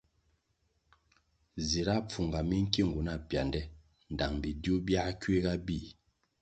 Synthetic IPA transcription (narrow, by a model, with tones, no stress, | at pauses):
zi˨ɾa˦p͡fu˨ŋɡa˨mi˦ŋ̩˦ki˦˨ŋɡu˨na˦˨pja˨ndɛ˦ | n˨da˨ŋbi˨djo˦bja˦kɥe˦ɡa˦bi˦˨